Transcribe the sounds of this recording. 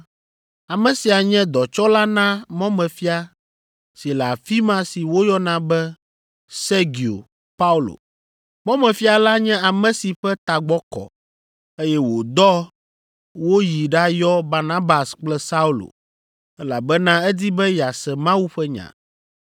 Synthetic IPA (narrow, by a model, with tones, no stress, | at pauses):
a˨mɛ̃˨si˨a˨ɲɛ̃˦d̪ɔ˨t͡ʃɔ˦la˦nã˦mɔ̃˦mɛ̃˨fi˦a˨ | si˨la˨fi˦mã˦si˨wo˦jɔ˦nã˦bɛ˦ | se˦ɡi˨o̰˨ | pa˦u˦lo̰˨ | mɔ̃˦mɛ̃˨fi˦a˨la˦ɲɛ̃˦a˨mɛ̃˨si˨ɸɛ˦t̪a˨ɡ͡bɔ˦kɔ̰˨ | e˦jɛ˦wo˨d̪ɔ˦ | wo˦ji˨ɖa˦jɔ˦ba˨nã˦ba˨sk͡plɛ˦sa˦u˦lo̰˨ | ɛ˦la˨bɛ˦nã˦ɛ˦d̪i˦bɛ˦ja˨sɛ˨mã˦wu˦ɸɛ˦ɲã̰˨